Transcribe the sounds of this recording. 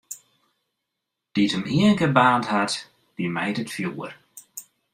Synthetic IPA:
d̥itəmiənɡəbaːnthat | d̥imejtətfjuːr

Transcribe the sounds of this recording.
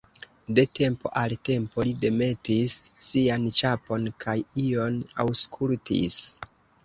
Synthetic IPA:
de̞te̞mpo̞ʔalte̞mpo̞lide̞me̞tisːiant͡ʃapo̞nkʰajio̞na̰wskʰultḭs

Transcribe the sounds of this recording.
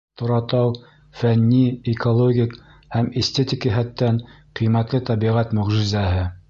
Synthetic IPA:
t̪ŏɾɑt̪ɑw | fænːiɪkolˠoɡʲik | hæmesʲt̪et̪ʲikiɦæt̪ːæn | qĭjmæt̪lɘt̪æbiʁæt̪mɵ̆ʁʒɪzæɦɘ

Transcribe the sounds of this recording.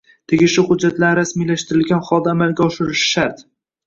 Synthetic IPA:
t̪ʰeɡʲɪʃʊχʊd͡ʒːat̪laɾɾasmijlaʃt̪ɪɾɪlɡʲanχɒlˠd̪aːmalɡʲaɒʃɪɾɪʃɪ̥ʃaɾt̪

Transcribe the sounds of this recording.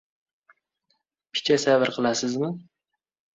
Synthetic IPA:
pʰɪ̥t͡ʃʰasavɨɾqʰɨlˠasɪzmɪ

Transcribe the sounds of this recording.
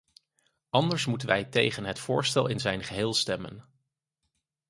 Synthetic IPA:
ɑndəɹsmutənʋɛjtejχənɦətfʊːɹstɛlˠɪnzɛjnχəɦɪːlˠstɛmə̰n

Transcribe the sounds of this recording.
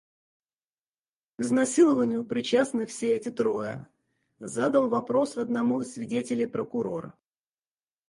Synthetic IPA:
kznɐsʲilˠəvənʲɪjʊpɾʲɪt͡ɕasnɨfsʲeɛtʲɪt̪ɾo̞jə̰ | zad̪əlˠvɐpɾo̞sɐd̪nɐmuɪsːvʲɪdʲetʲɪlʲɪjpɾəkʊɾo̞̰ɾə̰

